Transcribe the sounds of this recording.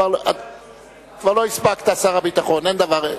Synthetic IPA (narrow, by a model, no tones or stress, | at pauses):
aʁla | kvaʁlo̞isbakt̪aːsaʁabit̪aχonend̪avaʁ